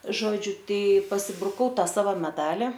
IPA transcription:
ˈʒoːd͡ʒʲʊ ˈtɐɪ pɐsʲɪbrʊˈkɐʊ ˈtɐ ˈsɑːʋoː mʲɛˈdɑːlʲɪ

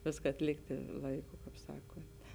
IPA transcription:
ˈʋʲɪskɐ ɐtʲˈlʲɪktʲɪ ˈlˠɐɪˌkʊ kɐɪp ˈsɑːkʊnʲtʲ

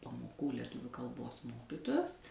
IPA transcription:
pɐˈmoːkuː lʲɛˈtʊʋʲʊ kɐlˠˈboːs ˈmoːkʲɪtoːjoːs

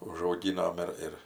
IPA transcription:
ʊʒɐʊˈɡʲiːnoːm ɪr ɪr

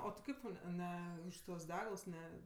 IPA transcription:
oː tʲɪ ˈkɐɪp tɐʊ ˈnʲɛ ˈnʲɛ ʊʃ tuɔs ˈdʲæːɡɐlˠs ˈnʲɛ

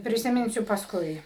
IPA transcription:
pʲrʲɪsʲɪˈmʲɪnʲsʲʊ pɐsˈkʊɪ

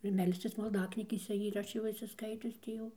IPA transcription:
ɪr ˈmʲɛlʲsʲt͡sʲɪs mɐlˠˈdɑːknʲiːɡʲeːsʲɛ ɪr ˈɐʃ jɛʊ ɪʃʲsʲɪˈskɐɪtʲʊs ˈtʲiː jɛʊ

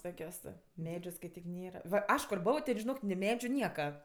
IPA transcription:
ˈtoːkʲoːs ˈmʲæːd͡ʒʲʊ skɐɪˈtʲiːk ˈnʲeːrɐ ʋɐ ˈɐʃ kʊr ˈboːʋoː tʲɛn ʒʲɪˈnoːk nʲɪ ˈmʲæːd͡ʒʲʊ ˈnʲiɛkɐ

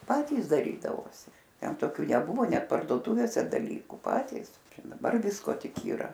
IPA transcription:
ˈpɑːtʲiːs dɐˈrʲiːdɐʋoːsʲɪ ˈtʲɛn toːˈkʲuː nʲɛˈbʊʋoː ˈnʲɛt pɐrdoːˈtʊʋʲeːsʲɛ dɐˈlʲiːkuː ˈpɑːtʲiːs ˈt͡ʃʲɛ dɐˈbɐr ˈʋʲɪskoː ˈtʲɪk iːˈrɐ

